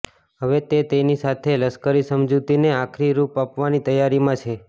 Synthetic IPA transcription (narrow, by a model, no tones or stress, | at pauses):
ɦəʋet̪et̪enisat̪ʰeləskəɾisəmd͡ʒut̪ineakʰɾiɾupapʋanit̪əjaɾimãt͡ʃʰe